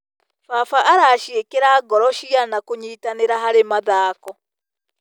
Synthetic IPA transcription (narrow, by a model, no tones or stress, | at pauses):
faːfaʔaɾaːʃiekeɾaːɡɔɾɔʃianakoɲiːtaneɾaɦaɾemaðaːkɔ